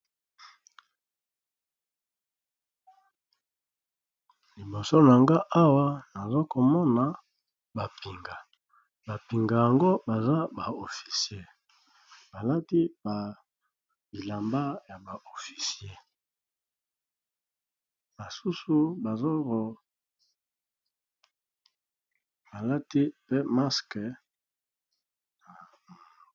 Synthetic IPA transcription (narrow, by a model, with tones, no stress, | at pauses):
li˨bo˨so˦na˨ŋɡa˦ʔa˦wa˦na˨zo˦ko˨mɔ˦na˨ | ba˨pi˨ŋɡa˨ | ba˨pi˨ŋɡa˨ja˨ŋɡo˦ba˨za˦ba˨o˨fi̥˨si˨e˦˨ | b̥a˨la˦ti˦ba˨ | bi˨la˨mba˦ja˨ba˨ʔo˨fi̥˨si˨˦e˦˨ | ba˨su˦su˦ba˨zo˦ko˨ | ba˨la˦ti˦pe˦ma˦skɛ˨